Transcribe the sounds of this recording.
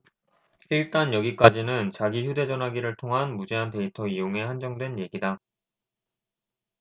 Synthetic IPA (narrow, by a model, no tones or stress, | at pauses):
iɭt͈anjʌɡik͈ad͡ʑinɯnt͡ɕaɡiçjude̞d͡ʑʌnɦaɡiɾɯɭtʰoŋɦanmud͡ʑe̞ɦante̞itʰʌijoŋe̞hand͡ʑʌŋdwe̞nje̞ɡida